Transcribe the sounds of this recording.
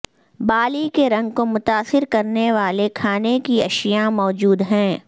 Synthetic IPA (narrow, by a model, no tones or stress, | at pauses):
baːlikeɾɐ̃ŋɡ̚komʊt̪aːsɪɾkɐɾneʋaːlekʰaːnekiɐʃjamɔːd͡ʒuːd̪ɦɛ̃ː